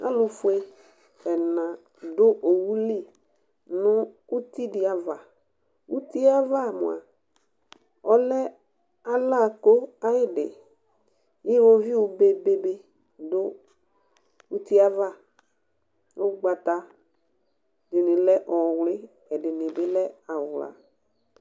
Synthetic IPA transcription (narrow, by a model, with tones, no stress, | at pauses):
a̰˦lʊ˨fʊ˦e˦ | ɛ˨nã˨ | dʊ˦ʔo˨wu˦li˦˨ | nʊ˦ | ʊ˦ti˦dɪ˨a˨va˨ | u˦ti˦a˦va˦˨mʊ̰˨a̰˨ | ɔ˦lɛ˦ | a˦la˦˨ko˦a˦jɪ˦dɪ̰˨ | jɪ˦wo˦vi˦ʊ˨be˨be˦be˦ | dʊ˦ | u˦ti˦a˦va˦˨ | o˦ɡ͡ba˨ta˨ | dɪ˨nɪ˨lɛ˦ʔɔ˨wlɪ˦ | ɛ˨dɪ˨nɪ˨bɪ˦lɛ˦a˨wla̰˨